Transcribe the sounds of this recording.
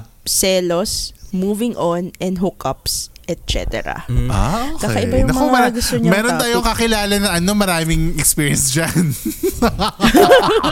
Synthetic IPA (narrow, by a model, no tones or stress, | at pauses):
sɛːlosmuːvɪŋʔonʔɛnd̪ɦʊkɐpsʔɛt̪̚t͡ʃɛ̰t̪ɛ̰ɾɐ̰ʔaobaːkɐʔɪbajʊŋmɐmɐɐɡɐoɲmɛːɾont̪aːjoŋkɐkɪlaːlɐnɐɐno̞mɐɾaːmɪŋɛkspiːɹjɛnsd͡ʒan